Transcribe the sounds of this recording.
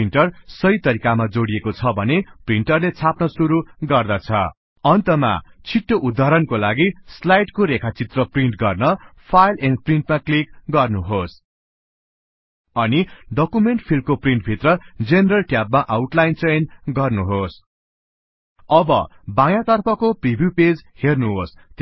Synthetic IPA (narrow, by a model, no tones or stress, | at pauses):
inʈʌrsʌjt̪ʌɾikamad͡zoɽiekot͡sʰʌbʱʌnepriɳʈʌrlet͡sʰapnʌsuɾuɡʌrd̪ʌt͡sʰʌ̰ | ʌnt̪ʌma̰t͡sʰiʈːoʔud̪ʱaɾʌnkolaɡislajʈkoɾekʰat͡sit̪rʌpriɳʈɡʌrnʌpʰajlenpriɳʈmaklikɡʌrnuɦos | ʌniɖʌkumeɳʈ̚pʰilmkopriɳʈ̚bʱit̪rʌd͡zeneɾʌlʈjab̚maʔawʈlajnt͡senɡʌrnuɦos | ʌbʌ̰bãjãt̪ʌrpʰʌkopribʱjuped͡zhernuɦost̪